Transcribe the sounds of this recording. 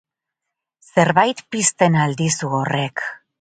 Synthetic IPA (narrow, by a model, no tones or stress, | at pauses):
se̞ɾβajt̪pist̪e̞nald̪isuore̞k